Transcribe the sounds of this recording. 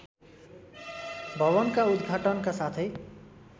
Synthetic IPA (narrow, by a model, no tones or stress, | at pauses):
bʱʌβʌnkaud̪ɡʱaʈʌnkasat̪ʰe